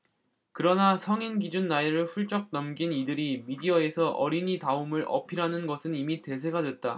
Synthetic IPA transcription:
kɯɾʌnasʰʌŋinɡid͡ʑunːaiɾɯɭɸuɭt͡ɕ͈ʌk̚nʌmɡinidɯɾimidiʌe̞sʰʌʔʌɾinitaumɯɾʔʌ̰pʰiɾanɯnɡʌsʰɯnimite̞s̬ʰe̞ɡadwe̞t̚t͈a

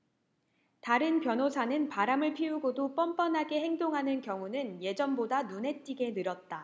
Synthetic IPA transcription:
taɾɯnpjʌnosʰanɯnpaɾamɯɭpʰiuɡodop͈ʌmp͈ʌnɦaɡe̞he̞ŋdoŋɦanɯnkjʌŋunɯnje̞d͡ʑʌnbodanune̞t͈iɡe̞nɯɾʌt̚t͈a

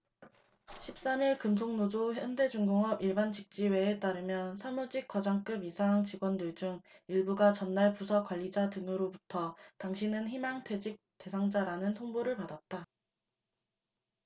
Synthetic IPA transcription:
ɕʰip̚s͈amiɭkɯmsʰoŋnod͡ʑoçjʌnde̞d͡ʑuŋɡoŋʌbiɭbant͡ɕik̚t͡ɕ͈iwe̞et͈aɾɯmjʌnsʰamud͡ʑik͈wʌd͡ʑaŋk͈ɯbisʰaŋt͡ɕiɡwʌndɯɭd͡ʑuŋiɭbuɡat͡ɕʌnːaɭpusʰʌk͈waʎːid͡ʑatɯnɯɾobutʰʌtaŋɕʰinɯnçimaŋtʰe̞d͡ʑik̚t͈e̞sʰaŋd͡ʑaɾanɯntʰoŋboɾɯɭpadat̚t͈a

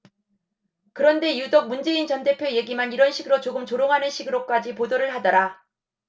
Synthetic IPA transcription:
kɯɾʌnde̞judok̚mund͡ʑe̞int͡ɕʌnde̞pʰjoje̞ɡimaniɾʌnɕʰiɡɯɾot͡ɕoɡɯmt͡ɕoɾjoŋɦanɯnɕʰiɡɯɾok͈ad͡ʑipodoɾɯɭɦadʌɾa

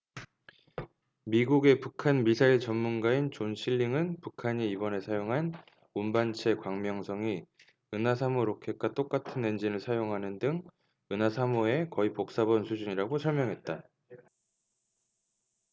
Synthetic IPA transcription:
miɡuɡe̞pukʰanmisʰaiɭt͡ɕʌmːunɡaint͡ɕonɕʰiʎːiŋɯnpukʰaɲiːbʌne̞sʰajoŋɦan | umbant͡ɕʰe̞kwaŋmjʌŋsʰʌŋi | ɯnasʰamoɾokʰe̞k͈at͈ok͈atʰɯnːwe̞nd͡ʑinɯɭsʰajoŋɦanɯndɯŋ | ɯnasʰamoe̞kʌipok̚s͈abonsʰud͡ʑuɲiɾaɡosʰʌɭmjʌŋɦe̞t̚t͈a

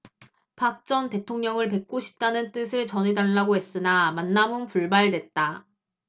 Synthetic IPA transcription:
pʰak̚t͡ɕ͈ʌnte̞tʰoŋɲʌŋɯɭpe̞k̚k͈oɕʰi̥p̚t͈anɯnt͈ɯsʰɯɭt͡ɕʌnedaɭːaɡoɦe̞s͈ɯnamanːamɯnpuɭbaɭdwe̞t̚t͈a

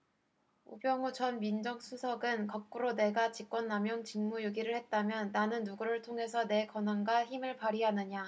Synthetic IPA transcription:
ṵbjʌŋut͡ɕʌnmind͡ʑʌŋsʰusʰʌɡɯnkʌk̚k͈uɾone̞ɡat͡ɕik͈wʌnːamjʌŋt͡ɕiŋmujoɡiɾɯɭhe̞t̚t͈amjʌnːanɯnːuɡuɾɯɭtʰoŋɦe̞sʰʌne̞kʌnanɡaçimɯɭpaɾiɦanɯɲa

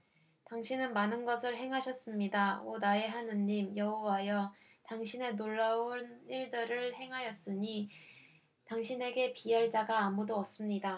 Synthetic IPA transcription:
taŋɕʰinɯnmanɯnɡʌsʰɯɭɦe̞ŋɦaɕʰʌs͈ɯmɲidaonae̞ɦanɯnːimjʌɦowajʌ | taŋɕʰine̞noɭːaoniɭdɯɾɯɭhe̞ŋɦajʌs͈ɯɲi | taŋɕʰine̞ɡe̞piaɭt͡ɕ͈aɡaːmudoʌs͈ɯmɲida

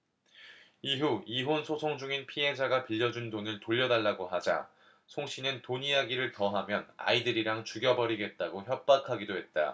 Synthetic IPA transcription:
iɦuiɦonsʰosʰoŋd͡ʑuŋinpʰiɦe̞d͡ʑaɡapiʎːʌd͡ʑundonɯntoʎːʌdaɭːaɡoɦad͡ʑa̰ | sʰoŋɕʰinɯntoɲijaɡiɾɯɭtʌɦamjʌna̰idɯɾiɾaŋt͡ɕuɡjʌbʌɾiɡe̞t̚t͈aɡoçjʌp̚p͈akʰaɡidoɦe̞t̚t͈a̰

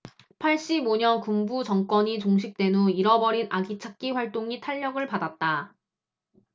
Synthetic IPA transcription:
pʰaɭɕ͈iboɲʌnkumbut͡ɕʌŋk͈wʌɲit͡ɕoŋɕ̬ʰik̚t͈we̞nuiɾʌbʌɾinaɡit͡ɕʰak̚k͈iɸwaɭt͈oŋitʰaʎːʌɡɯɭpadat̚t͈a

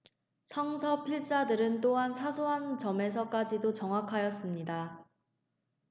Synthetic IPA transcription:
sʰʌŋsʰʌpʰiɭt͡ɕ͈adɯɾɯnt͈oɦansʰasʰoɦant͡ɕʌme̞s̬ʰʌk͈ad͡ʑidot͡ɕʌŋɦwakʰajʌs͈ɯmɲida

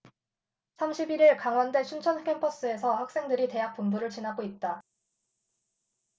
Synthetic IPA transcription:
sʰamɕʰibiɾiɭkaŋwandwe̞ɕʰunt͡ɕʰʌnkʰe̞mpʰʌs͈ɯe̞sʰʌhak̚s͈e̞ŋdɯɾite̞ɦak̚p͈umbuɾɯɭt͡ɕinaɡoit̚t͈a

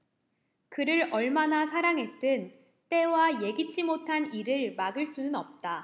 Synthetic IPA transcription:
kɯɾɯɾʌɭmanasʰaɾaŋɦe̞t͈ɯn | t͈e̞waje̞ɡit͡ɕʰimotʰaniɾɯɭmaɡɯɭs͈unɯnʌp̚t͈a

